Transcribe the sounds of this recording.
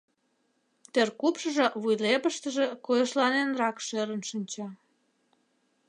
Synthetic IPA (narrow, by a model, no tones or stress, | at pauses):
t̪erkupʃəʒĕβujlepəʃt̪əʒekojəʃlɑnenrɑkʃøɾənʃənʲt͡ɕɑ